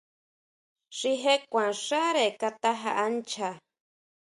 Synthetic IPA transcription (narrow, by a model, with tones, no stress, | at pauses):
ʂi˦ɦe˦kʷã˨ʂa˦ɾe˨ka˧t̪a˦ɦa̰˧ʔa˦nt͡ʃʰa˨